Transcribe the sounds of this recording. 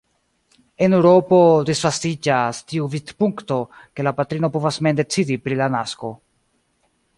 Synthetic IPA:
e̞newɾo̞po̞disfastid͡ʒastiuvidpuŋkto̞ke̞lapatɾino̞po̞vasme̞nde̞t͡sidipɾilanasko̞

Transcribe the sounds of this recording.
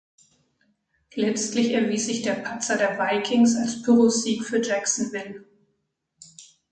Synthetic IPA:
lɛt͡stlɪçɛɐviːsz̥ɪçd̥eːɐpʰat͡sɐdeːɐvaɪkʰɪŋsalsb̥yʁoziːkfyːɐd͡ʒɛksn̩vɪl

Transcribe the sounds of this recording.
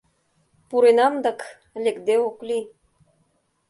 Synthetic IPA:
puɾenɑmd̪ɤ̆k | lekd̪eoklʲi

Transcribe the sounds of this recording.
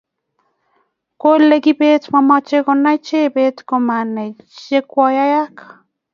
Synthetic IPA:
kʷolekipet͡smamat͡ʃekonait͡ʃepet͡skomanejekʷajajakḁ

